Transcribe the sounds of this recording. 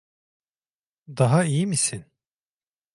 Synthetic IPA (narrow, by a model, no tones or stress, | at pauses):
d̪aɦaijimisin